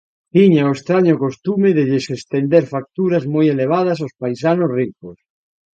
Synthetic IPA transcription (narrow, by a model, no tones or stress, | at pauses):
tiɲaoest̪ɾaɲokost̪umeðeðesest̪end̪eɾfak̚t̪uɾazmojeleβ̞að̞ɐs̬aowspajsanosrikos